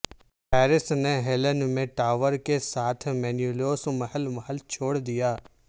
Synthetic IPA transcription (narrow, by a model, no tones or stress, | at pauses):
pʰɛːɾɪsneɦelənmẽʈaːʋəɾkesaːt̪ʰmɛːnjuloːsməɦəlməɦəlt͡ʃʰoːɽd̪ijaː